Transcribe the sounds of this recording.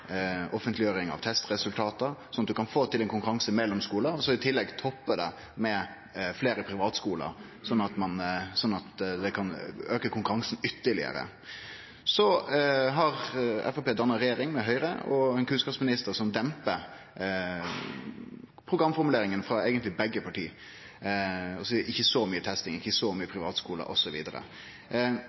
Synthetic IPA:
ɔfənt̪lɪjøːɾɪŋɑ̰ʋt̪ʰɛst̪ɾɛsʉlt̪ʰɑːt̪əsɔnːɑt̪̚d̪ʉkʰɑnfoːt̪ʰɪlɛnkʊŋkʉɾɑŋsəmɛlːɔmskuːləɔsɔɪt̪ʰɪlːɛɡt̪ʰɔpːəd̪ɛ̰ | mɛ | fleːɾəpʰɾɪʋɑːt̪skuːlə̰ɾ | sɔnːɑt̪mɑnsɔnːɑt̪d̪ɛkʰɑnøːkəkʰʊŋkʊɾɑŋsn̩ʏt̪ːəlɪ̰ə̰ɾə̰ | sɔɦɑɾɛ̰fɛpeːd̪ɑnːɑɾɛjeːɾɪŋmɛɦœʏɾəɔɛnkʰʉnskɑpsmɪnɪst̪əɾsɔmd̪ɛmpə | pʰɾʊɡɾɑmːfɔɾmʉleːɾɪŋənfɑeːɡənt̪lɪbɛɡːəpʰɑʈiː | ɔsɪçːəsɔmyːət̪ʰɛst̪ɪŋɪçːəsɔmyːəpʰɾɪʋɑ̰ːt̪skuːlə̰ɾʔɔsɔʋḭːd̪əɾə̰

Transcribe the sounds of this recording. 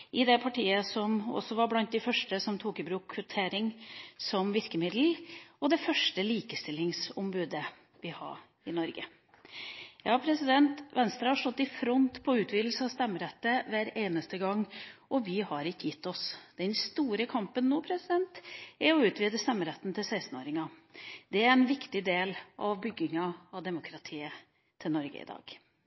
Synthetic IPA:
ʔɪd̪ɛpʰɑʈiːəsɔmɔ̰sːɔʋɑɾblɑnt̪̚d̪æɪfœʂʈəsɔmt̪ʰuːkɪbɾʉːkʰːʋʉt̪ʰeːɾɪŋsɔmʋɪɾkəmɪd̪l̩ɔd̪ɛfœʂʈəliːkəst̪ɪlːɪŋsʊmbʉːd̪ə | ʋɪhɑ̰ɾ | ɪnɔɾɡə̰ | jɑːpʰɾɛsɪd̪ɛnt̪ʋɛnst̪ɾɑhɑʂɔt̪ːɪfɾɔnt̪pʰɔʉːt̪ʋiːd̪l̩səɑst̪ɛmːəɾɛt̪ːəʋæːɾeːnəst̪əɡɑŋːʔɔʋɪhɑɾɪkːəjɪt̪ːɔsd̪̥ɛnst̪uːɾəkʰɑmpənːoːpʰɾɛsɪd̪ɛnt̪ɛɾɔʉːt̪ʰʋiːd̪əst̪ɛmːəɾɛt̪ːn̩t̪ʰɪlsæɪst̪n̩o̰ːɾɪŋɑd̪̥ɛæɾɛnʋɪkt̪ɪd̪eːlʔɑʋbʏɡːɪŋɑɑʋd̪ɛmʊkʰɾɑt̪ʰiːə | t̪ʰɪlnɔɾɡə̰ɪ̰d̪ɑ̰ːɡ̥

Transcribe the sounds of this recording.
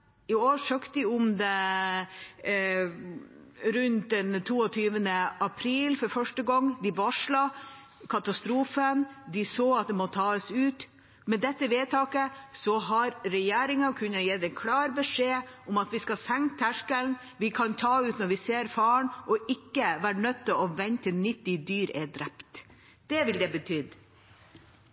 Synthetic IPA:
ɪoːʂøːkt̪ɪʊmd̪ɛ | ɾʉnt̪̚d̪ɛnt̪ʰuːɔt̪ʰyːʋənəʔɑpʰɾiːlfɔɾfœʂʈəɡɔŋːd̪ɪʋɑʂɭɑ | kʰɑt̪ɑst̪ɾuːfənd̪ɪsoːɑt̪̚d̪ɛmɔt̪ʰɑːəsʉːt̪ | mɛd̪ɛt̪ːəʋeːt̪ʰɑːkəsɔɦɑɾɾɛjeːɾɪŋɑkʰʉnːəjɛːd̪ɛnkʰlɑːɾbəʂeːʊmɑt̪ʋɪskɑsɛŋt̪ʰæʂkəln | ʋɪkʰɑnt̪ʰɑːʉːt̪nɔɾʋɪseːɾfɑːəɳʔɔʔɪkːəʋæːɾɳœt̪ʰːəɔʋɛnt̪ənɪt̪ːɪd̪yːɾɛd̪ɾɛpt̪ | d̪̥ɛʋɪld̪ɛbət̪ʰyːd̪

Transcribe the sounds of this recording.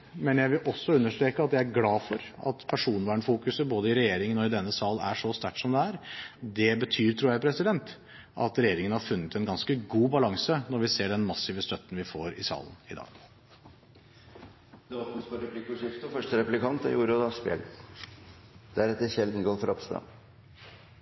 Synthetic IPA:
mɛnjæɪʋɪlʔɔsːɔʉnːəʂʈ̪ɾeːkəɑt̪jæɪæɾɡlɑːfɔɾɑ̰t̪pʰæʂuːnʋæːɳəfuːkʉsəboːd̪əɪɾɛjeːɾɪŋənɔɪd̪ɛnːəsɑːlæ̰ʂɔst̪æʈːsɔmd̪ɛæɾd̪ɛbət̪ʰyːɾt̪ʰɾuːɾjæɪpʰɾɛsɪd̪ɛnt̪ | ʔɑ̰t̪ɾɛjeːɾɪŋənhɑɾfʉnːət̪ɛnɡɑnskəɡuːbɑlɑŋsənɔɾʋɪseːɖɛnmɑsːɪʋəst̪œt̪ːn̩ʋɪfoːɾɪsɑ̰ːlənɪ̰d̪ɑ̰ːɡ̥ | d̪̥ɛbɑt̪nspɑɾɛplɪkːəʂɛft̪ɔfœʂʈəɾɛplɪkʰɑnt̪ɑ̰juːɾəɔd̪ɑspɛ̰l | d̪̥æɾɛt̪ːəçɛld̪nɡoːlfɾɔpst̪ɑ̰

